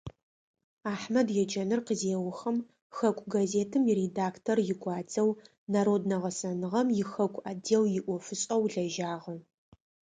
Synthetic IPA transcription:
aːħmɐdjɛd͡ʒɐnɨrqəzeːwʊxɐm | xɐkʷʼɡazeːtʰɨmiredaːktʰorjɪɡʷɑːd͡zɐw | naːɾoːdnɐʁɐsɐnɨʁɐmjɪxɐkʷʼaːdeːwjɪʔʷɔfɨɕʼɐwɮɐʒaːʁɐ

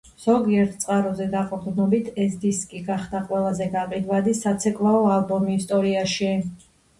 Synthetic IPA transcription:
z̥ɔɡiɛɾt̪ʰt̪sʼqʼaɾɔzɛd̪aqʼɔd̪nɔbit̪ʰɛsd̪iskʼiɡaχd̪aqʼwɛlˠazɛɡaqʼid̪vad̪isat̪sʰɛkʼvaɔalˠbɔmist̪ʼɔɾiaʃi

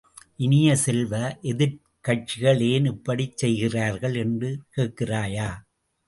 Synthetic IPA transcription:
ʔɪnɪjɐsɛlʋɐʔɛðɪɾ | kɐʈ̚t͡ʃɪɣɐɭeːnɪpːɐɽit͡ʃːɛjɣɪraːɾɣɐɭɛndrɯkeːʈkɪraːjaː

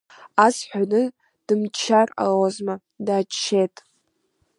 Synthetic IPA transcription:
asħʷᶣanɨ | d̥ɨmt͡ʃʰara̰lozma | daːt͡ʃt͡ʃʰːetʼ

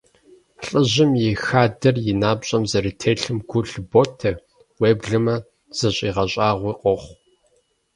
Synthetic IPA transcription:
ɬʼɨʑɪmjɪxaːdɐrjɪnaːbɕʼɐmzɐɾitʰeːɬɨmɡʷʊɬbotʰɐ | weːbɮɨmɐ | z̥ɐɕʼiːʁɐɕʼɑːʁʷiːqʷʼɔχʷ

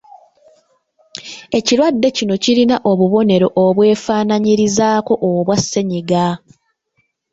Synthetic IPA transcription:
e̞ciɾwadːe̞cino̞cilinaʔoβuβo̞ne̞ɾo̞ʔoβwe̞ːfaːnaɲiɾizaːko̞ʔoβwasːe̞ɲiɡa

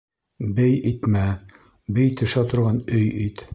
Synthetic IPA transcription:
bɘjit̪mæ | bɘjt̪ʰɵ̆ʃæt̪ŏɾʁɑnɵjit̪

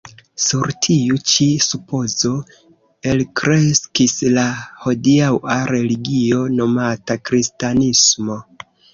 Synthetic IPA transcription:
suɾtʰiut͡ʃisupo̞zo̞ | e̞lkɾe̞skislaho̞diawaɾe̞liɡio̞no̞matakɾistanismo̞

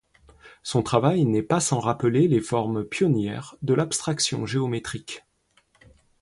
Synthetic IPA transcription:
sɔ̃t̪χavajnɛpasɑ̃ʁapəlelefɔʁmpjɔnjɛʁd̪əlapst̪χaksjɔ̰̃ʒeɔmet̪χik

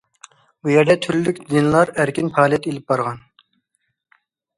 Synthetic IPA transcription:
bujɛɾd̪ɛt̪ʰyɾllykʲd̪ɪnlˠɑɾæɾkʲinpʰɑːlˠijɛt̪elɪp̚bɑɾʁɑn

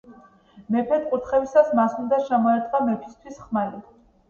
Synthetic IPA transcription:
mɛpʰɛt̪ʼqʼuɾt̪ʰχɛbisasmasund̪aʃamɔɛɾt̪ʼqʼamɛpʰist̪ʰwisχmaɾi

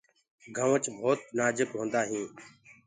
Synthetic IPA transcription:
ɡʱəʋət͡ʃbʱoːt̪̚naːd͡ʒɪkɦõːnd̪aːɦĩː

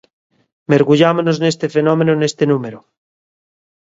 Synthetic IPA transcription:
meɾɣuʎamonoznest̪efenomẽnonest̪enũmeɾo

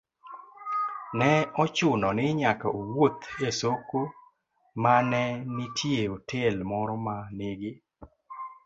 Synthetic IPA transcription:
nɛɔt͡ʃʊnɔnɪɲakaowot̪asoko | manɛnɪtʰjeotʰelmɔɾɔmanɪɡɪ

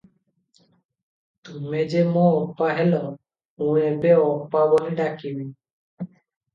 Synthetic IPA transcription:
t̪umed͡ʒemoɔpːaɦelɔ | ũebeɔpːabɔɦiɖakibi

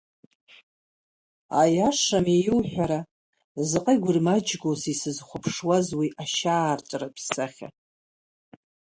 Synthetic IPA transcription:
ajaʂamejɪlħʷᶣaɾa | zɨqʼajɡʷʊrmad͡ʒɡosisɨzχʷʊpʰʂwazwiʔaʃaːrtʼrapʰsaχʲa̰

